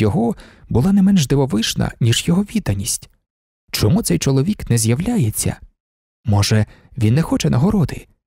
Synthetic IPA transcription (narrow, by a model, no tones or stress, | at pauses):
jɔɦɔbʊlˠanɛmɛnʒd̪eʋɔʋɪʃnɐ̰nʲiʒjɔɦɔʋʲid̪ɐnʲisʲtʲ | t͡ʃɔmut̪sɛjt͡ʃɔlˠɔʋʲiknɛzjɐwlʲajet͡sʲːɐ̰ | mɔʒɛ | ʋʲinːɛxɔt͡ʃɛnɐɦɔɾɔd̪ɪ̰